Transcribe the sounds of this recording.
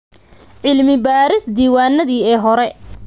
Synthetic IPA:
ʕɪlmɪbaːɾɪsd̪iːwaːnːɐðiːɛːɦɔɾɛ

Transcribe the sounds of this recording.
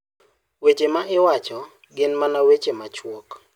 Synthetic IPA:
wet͡ʃemaʔɪwat͡ʃɔ | ɡɪnmanawet͡ʃemat͡ʃwok

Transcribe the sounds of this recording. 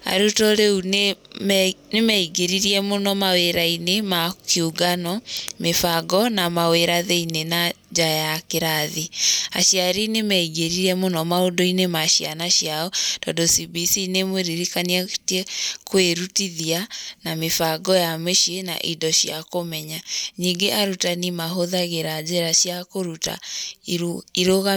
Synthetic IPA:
a̰ɾutɔɾeune | nemɛiɡeɾiɾiɛmonɔmaweɾainemakiuɡanɔmefaɡɔnamaweɾaðeinena | d͡ʒajakeɾaðia̰ɕjaɾinemɛiɡeɾiɾɛmonɔmaodoinemaɕianaɕjaɔd̥ɔdosibisinemweɾiɾikaniatiɛkweɾutiðianamefaɡɔjameʃiena̰ʔidɔɕjakomɛɲaɲiŋɡeʔaɾutanimaɦoðaɣeɾad͡ʑeɾaʃjakoɾuta̰ | iɾoɣa

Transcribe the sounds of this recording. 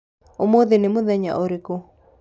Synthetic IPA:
omoðenemoðɛɲa̰ʔoɾiko

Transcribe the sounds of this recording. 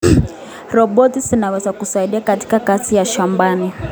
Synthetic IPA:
rɔɓɔtisinawɛsakusaiɗiakati̥kakasijaʃambaːni

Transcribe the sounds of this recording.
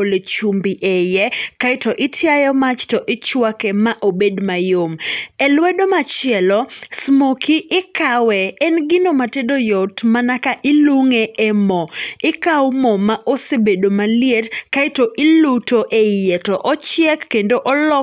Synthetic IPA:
olet͡ʃumbiʔejɛkaɪtɔʔɪtʰjajɔmat͡ʃtɔʔɪt͡ʃwakɛmaʔobedmajomɛlwɛdomat͡ʃɪɛlɔsmokiʔɪkawɛːnɡɪnomatedojɔtmanakaʔɪluŋeʔɛmɔɪkawmɔmaʔosebedomaljetkaɪtoʔɪlutoʔejetɔʔɔt͡ʃjɛkːendoʔɔlɔ

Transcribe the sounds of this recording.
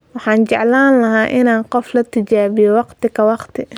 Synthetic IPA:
wɑħɑːnt͡ʃɛʕlaːnlɐɦaːʔɪnaːnqɔflɐt̪ʰɪt͡ʃaːβɪjɔwɑqt̪ʰɪkʰɐwɑqt̪ʰɪ

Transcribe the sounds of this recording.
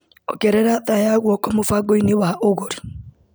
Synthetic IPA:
ɔ̰ɡɛɾɛɾaðajaɣwɔkɔmofaɡoinewaʔoɣoɾi

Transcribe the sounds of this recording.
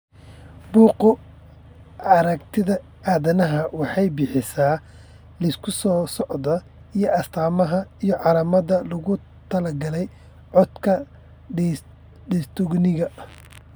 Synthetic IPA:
buːqʊ | ɑɾɐkt̪ʰɪðɐ | ʔaːðɐnɐɦɐwɑħɑjbɪħɪsaː | lɐskʰʊsɔːsɔʕd̪ɐ | ijɞʔɐst̪ʰaːmɐɦɐijɞʕɑlɐmɐðɐlɐɣʊ | t̪ʰɐlɐɡɐlɛj | ʕɔd̪kʰɐ | ɖɛst̪ʰʊɡnɪɣɐ

